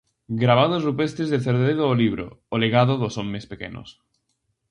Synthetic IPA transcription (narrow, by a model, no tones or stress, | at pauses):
ɡɾaβ̞að̞ozrupest̪ezðeθeɾðeðeðoːliβ̞ɾo̰oleɣaðoðosomːespekḛno̰s